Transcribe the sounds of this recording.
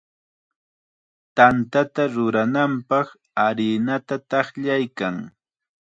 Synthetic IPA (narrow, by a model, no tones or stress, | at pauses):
t̪ant̪at̪aɾʊɾanampɑχ | aɾɪnat̪at̪ɑχʎajkaŋ